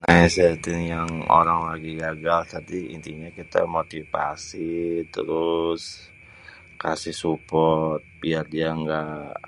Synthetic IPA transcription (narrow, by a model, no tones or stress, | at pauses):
naɛsɛt̪ɪnjaŋo̰ɾaŋlaɡiɡaɡalt̪at̪iḭnt̪iɲakit̪a̰mot̪ifa̰sit̪ə̰ɾʊs | ka̰sɪhsupɔt̪̚biardiaŋɡa